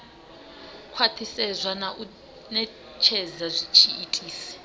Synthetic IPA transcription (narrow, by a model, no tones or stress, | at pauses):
kʰwatʰisɛzʷanaʔu | nɛ | t͡ʃʰɛzazʷit͡ʃʰiitʼiːsɛ̥